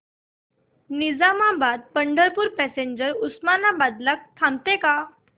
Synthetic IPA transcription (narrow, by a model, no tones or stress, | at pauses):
nid͡zamabad̪̚pəɳɖəɾpuɾpɛseɲd͡ʑəɾusmanabad̪lak̚t̪ʰãmt̪eka